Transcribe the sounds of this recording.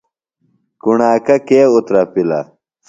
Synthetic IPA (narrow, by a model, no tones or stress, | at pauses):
kuɳaːkɐkeːut̪ɾɐpilɐ̰